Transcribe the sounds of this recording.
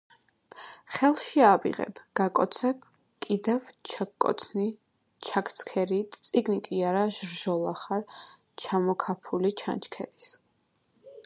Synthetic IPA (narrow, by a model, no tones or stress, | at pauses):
χɛlˠʃiabḭʁɛ̰bɡ̥akʼɔt̪sʰɛp̚ | kʼid̪ɛvt͡ʃkʼɔ̰t̪sʰni | t͡ʃʰakʰt̪sʰkʰɛɾit̪ʼt̪sʼiɡnikʼiaɾaʒɾʒɔlˠaχaɾ | t͡ʃʰamɔkʰapʰulit͡ʃʰa̰nt͡ʃʰkʰɛ̰ɾis